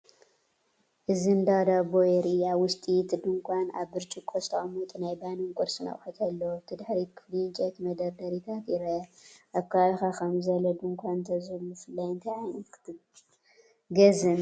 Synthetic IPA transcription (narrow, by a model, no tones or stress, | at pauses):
ʔɨzɨnd̪ad̪abojeɾiaβwʊst̪ʼit̪ʰɨd̪ɨŋkʷʰana̰βːɨɾt͡ʃʼikʰʼost̪ʰɐʔʼmut̪ʼnajbaniŋkʼɔɾsɨnɐ̰wħat̪ʰalːɐwt̪ʰɨd̪ħɾikʰɨflit͡ʃʼet̪mɐd̪ɐɾd̪ɐɾit̪ʰat̪ɪɾɐʔaβkʰaxakʰɐmzɐlɐd̪ɨŋkʷʰant̪ʰɐzɨlːufɨlːajɨnt̪ʰɐjʕajnk | ɡɐzɨn